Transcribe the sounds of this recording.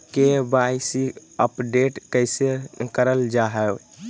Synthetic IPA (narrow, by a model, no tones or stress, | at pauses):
kebaɪsiəpɖeːʈkəɪsekəɾəld͡ʒaɦɛw